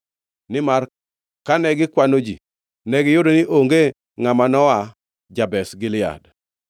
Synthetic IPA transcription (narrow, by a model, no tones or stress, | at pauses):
nɪmar | kanɛɡɪkwanod͡ʒḭ | nɛɡɪjʊdonɪʔoŋɡe | ŋamanɔa | d͡ʒabɛsɡɪlɪa̰d